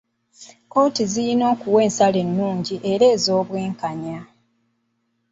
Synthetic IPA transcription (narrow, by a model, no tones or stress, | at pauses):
otizijino̞ːkuwe̞ːnsale̞nːuːɲɟiʔe̞ɾe̞ːzo̞ːβwiːŋkaɲa